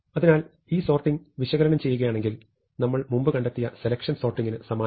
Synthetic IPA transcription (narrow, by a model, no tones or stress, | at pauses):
ɐðinaːl | iːso̞ːrʈːiŋʋiɕɐɣɐɾɐnɐmt͡ɕe̞jːuɣɐjaːɳe̞ŋɡil | nɐmːɐɭmumbɨkɐɳɖɐt̪ːijɐse̞lɐkʂɐnso̞ːrʈːiŋːinɨsɐmaː